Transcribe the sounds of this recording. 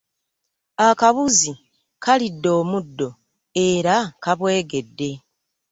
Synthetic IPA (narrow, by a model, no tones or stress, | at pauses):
akaβuzi | kʰalidːo̞ːmudːo̞ | e̞ɾakaβwe̞ːɡe̞dːe̞